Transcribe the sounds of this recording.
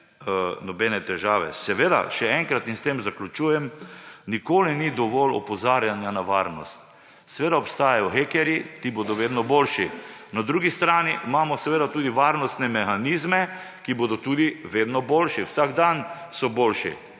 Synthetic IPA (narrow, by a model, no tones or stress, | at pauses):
nɔbɛnɛt̪ɛʒaːʋɛ̰sɛʋeːd̪a̰ʃɛɛŋkɾat̪nist̪emzaklʲut͡ʃuːjɛmnikoːlinid̪ɔʋɔlɔ̰pɔzaːɾjanjanaʋaɾnɔst̪ | sɛʋeːd̪aɔpst̪aːjajɔxeːkɛɾjit̪ibod̪ɔʋeːd̪nɔbolʃinad̪ɾuːɡist̪ɾaːniʔmaːmɔsɛʋeːd̪at̪uːd̪iʋaːɾnɔst̪nɛmɛxaniːzmɛ | kiboːd̪ɔt̪uːd̪iʋeːd̪nɔboːlʃiwsaɡd̪an | sɔbolʃḭ